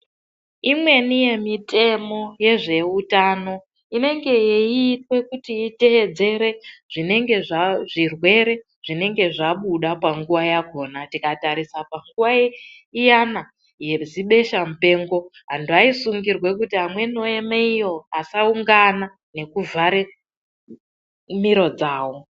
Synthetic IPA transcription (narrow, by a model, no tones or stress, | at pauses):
imwe̞nije̞mitʰe̞mo̞je̞ʐe̞utano̞ | ine̞ŋɡe̞jeiːtwe̞kutiːte̞ʋe̞d͡ze̞ɾe̞ʐ̥ine̞ŋɡe̞ʐʐirwe̞ɾe̞ | ʐ̥ine̞ŋɡe̞ʐaɓuɗapaŋɡuʋajaɡʱo̞ːnatikataɾisapaŋɡuʋa | ijana | je̞ziɓe̞ʃamupe̞ːŋɡo̞ɦanduaisuŋɡirwe̞k̬utiamwe̞no̞e̞meijo̞asauŋɡana | ne̞kuvʱaɾe̞ | miɾo̞d͡zaːwo̞